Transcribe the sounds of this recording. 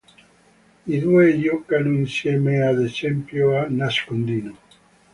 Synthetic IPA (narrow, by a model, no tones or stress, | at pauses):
iðueʎɔkanuinsjɛmead̪et͡ʃɛmpjoanaskond̪ino